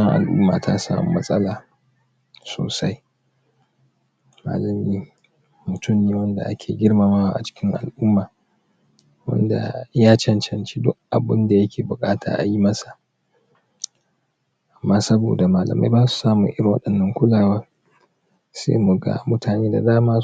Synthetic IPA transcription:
ɐ˦ŋʔa̰˨lʔʊ̰˦mːa̰ː˨tʰa˦sa̰ː˦mṵ˨˦mɐ˦sʼɐ˦laː˨ | so̰ː˨sa˦j | ma̰ː˨lɐ˨miː˦ | mʊ˨tʊ˦mniː˨wɐ˦nda̰˨ʔa˦kʲʰeː˨ɡʲɪ˦ɽmaː˦ma˦wa˨ʔa̰˨t͡ʃɪ̥˦kʲɪ˦ŋʔa̰˨lʔʊ˦mːaː˨ | wɐ̰˦nda̰˨jaː˦t͡ʃɐ˨nt͡ʃɐ˨nt͡ʃi̥˦dʊ˦kʔa˨bɪ˦nda˨jɐ˦kʲʰeː˨bʊ˨kʼaː˦tʰa̰ː˨ʔa̰˨ji˦mɐ˦sḁ˨ | ʔa˨mːaː˦sɐ˦bo̰ː˨da˨maː˨lɐ̰˨ma̰˦jbaː˦su̥˨saː˦mʊ˨ŋʔɪ˦ɾɪ˨ŋwɐ̰˦ɗɐ˨nːɐ˦ŋkʷʊ˦laː˨wa˦ | sḛː˦mu˨ɡa̰ː˨mʊ˦tʰaː˨neː˦da˨daː˦maː˦

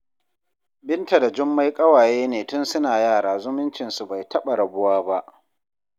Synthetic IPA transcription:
bɪ˦nta˨da˨d͡ʒʊ˦mːa˦jkʼɐ˦waː˨jeː˦neː˨tʊ˦nsʊ˦naː˨jaː˦˨ɽaː˨zʊ˦mʊ˦nt͡ʃɪ˨nsu˨ba˨jtɐ˦ɓa˨ɽɐ˨bʊ˦waː˦ba˦ʔ

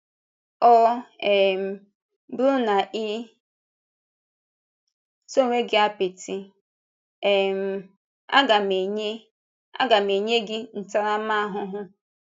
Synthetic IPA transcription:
ɔ˦e˨m̩˨ | bɾu˦na˨ʔɪ˦ | so˦˨ŋʷe˦ɡɪ˦a˦pɪ˨ti˦ | e˨m̩˦ | a̰˦ɡa˨me˨ɲe˦ | a̰˦ɡa˨me˨ɲe˦ɡɪ˦n̩˨ta˦ɾa˦m˦a˦a˦ɦʊ˦ɦʊ˦

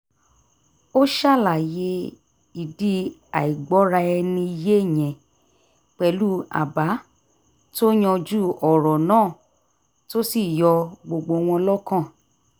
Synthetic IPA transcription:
o˦ʃa˦˨la˨je˧ | i˨di˨˦a˨i˨ɡ͡bɔ˨˦ɾa˧ɛ˧nĩ˧i˧je˦˨j̃ɛ̃˨ | k͡pɛ˨lu˦a̰˨ba˨˦ | to˦j̃ɔ̃˧d͡ʒu˦˨ɔ˨ɾɔ˨nãː˦˨ | to˦si˦˨jɔ˧ɡ͡bo˧ɡ͡bo˧w̃ɔ̃˧lɔ˦kã˦˨

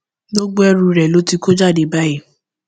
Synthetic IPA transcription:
ɡ͡bo˦ɡ͡bo˦ɛ˦ɾũ˧ɾɛ˨lo˨˦ti˧ko˦d͡ʒa˦˨de˨ba˦e˦˨

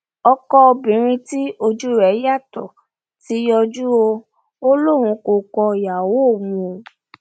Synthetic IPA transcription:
ɔ˧kɔ˦o˧bĩ˨˦ɾ̃ĩ˧ti˦o˧d͡ʒu˦ɾɛ˨˦ja˦˨tɔ˨ | ti˨˦jɔ˧d͡ʒu˦o˧ | o˦lo˦˨ɾ̃ũ˨˧ko˨kɔ˧˨ja˨wo˨˦o˦˨muũ˧o˨

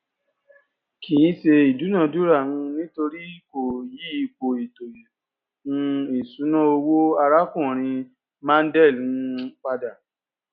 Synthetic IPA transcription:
kĩ˨˦se˧i˨du˨˦nã˦˨du˦ɾa˦˨ũ˧nĩ˦to˧ɾi˦ko˨ji˦i˧k͡po˨i˨to˨ji˨ | ũ˦i˨su˨˦nã˦o˧wo˦a˧ɾa˦kũ˦˨ɾ̃ĩ˧ | mã˦n̩˦dɛ˦˨lũ˧k͡pa˧da˨

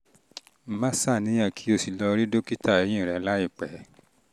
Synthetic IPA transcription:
m̩˨˦mã˦sa˦˨nĩ˨˦j̃ã˦˨kʰi˨˦o˧si˧lɔ˧ɾi˦do˦ki˦ta˦˨e˨˦j̃ĩ˦˨ɾɛ˨˧la˦i˦˨k͡pɛ˨˦

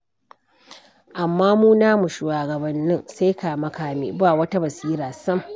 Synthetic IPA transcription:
ʔa˨mːaː˦muː˦naː˦mu˨ʃuː˨waː˨ɡɐ˨bɐ˨nːɪ˦nsa˦jka˨mɐ˦kaː˦mḭː˨baː˦˨wɐ˦ta˦bɐ˨siː˦ɾaː˨sɐ˦m

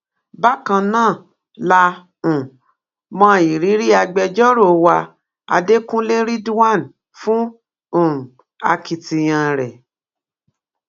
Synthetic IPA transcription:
ba˦kã˧nãː˦˨ | la˧ | ũ˨ | mã˧˦˨i˨ɾi˨˦ɾi˦a˧ɡ͡bɛ˧d͡ʒɔ˦ɾo˦˨wa˧ | a̰˧de˦kũ˦le˦ɾi˦du˦wa˦˨n | fũ˦ | o˦˨ɾũ˨ | a̰˧ki˧ti˧j̃ã˧˨ɾɛ˨

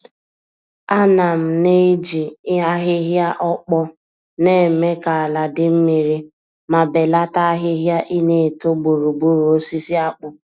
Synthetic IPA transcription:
a˦na˨m̩˨ne˦d͡ʒi˨˦a˦ɦɪ˦ɦja˦ʔɔ˦k͡pɔ˦ | ne˦˨me˦ka˨la˨dɪ˦m̩˦mi˨ɾi˦ | ma˨be˨la˦ta˦a˦ɦɪ˦ɦja˦ʔi˦ne˨to˦ɡ͡bu˨ɾu˨ɡ͡bu˦ɾu˨o˦si˦si˦a˦k͡pʊ˨

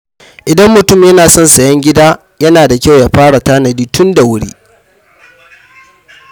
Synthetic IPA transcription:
ʔɪ˨dɐ˦mːʊ˨tʊ˦mjɐ˦naː˨sɔ˦nsɐ˨jɐ˦ŋɡʲɪ˦daː˦ | jɐ˦naː˨da˨kʲa˦˨wja˦ɸaː˦ɽa˨taː˦nɐ˨diː˦tʊ˦nda˨wʊ˦ɽḭː˦

